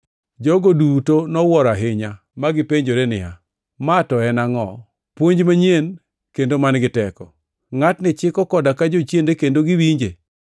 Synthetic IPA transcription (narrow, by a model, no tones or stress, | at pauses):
d͡ʒɔɡodutonɔwɔɾaɦɪɲa | maɡɪpeɲd͡ʒoɾenɪ̰ja̰ | matɔɛnaŋɔ̰ | pwoɲd͡ʒmaɲen | kendomanɡɪtɛkɔ | ŋatnɪt͡ʃɪkɔkɔdakad͡ʒot͡ʃjendekendoɡɪwiɲd͡ʒḛ